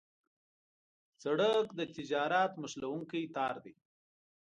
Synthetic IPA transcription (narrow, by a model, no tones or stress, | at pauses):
t͡saɽəkd̪ət̪ɪd͡ʒɑɾat̪məʃlawuŋkəjt̪ɑɾd̪e